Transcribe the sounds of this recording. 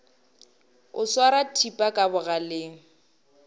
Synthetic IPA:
ʊswaɾatʰipʼakʼabʊɣalɪŋ̩

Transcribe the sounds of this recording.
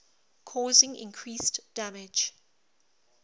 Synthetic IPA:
kʰɔːzɪ̃ŋɪ̰̃nkʰɹiːsd̥amɪ̥d͡ʒ

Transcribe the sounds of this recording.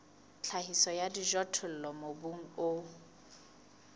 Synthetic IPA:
t͡ɬʰahisɔjadiʒɔtʰʊl̩lɔmobuŋ̩oʊ

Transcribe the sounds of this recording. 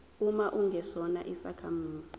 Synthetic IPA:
umaʔuŋʱɛsɔna̰ʔisa̰kʰamuːzi

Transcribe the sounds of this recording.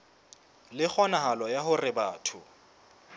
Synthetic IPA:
lɪk͡xʰɔnaɦalɔjaɦʊrɪbaːtʰʊ

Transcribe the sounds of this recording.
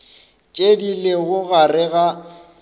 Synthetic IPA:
t͡ʃʼedileɣʊɣarɪɣa

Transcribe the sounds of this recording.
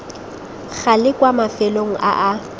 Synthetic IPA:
ɣʰalɪkʼwamafɛloŋ̩ʔa̰ʔa

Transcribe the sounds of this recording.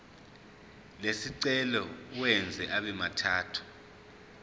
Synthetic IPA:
lesiǀɛlɔuwɛnd͡zʱɛʔaɓɛmatʰaːtʰu̥

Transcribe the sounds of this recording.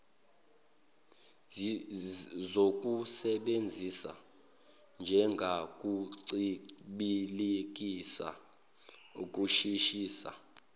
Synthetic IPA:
zok̬ʼusɛɓend͡zʱisa̰ | nd͡ʒʱɛŋɡʱakʼuǀiɓilek̬ʼisa̰ | kʼuʃiʃiːsa̰

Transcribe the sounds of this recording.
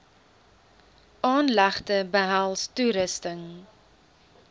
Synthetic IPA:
ʔɑːnlæχtəbəɦælˠstuɾəstəŋ

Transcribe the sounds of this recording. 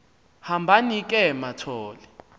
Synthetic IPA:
hambʱanik̬ʼɛmatʰɔːlɛ

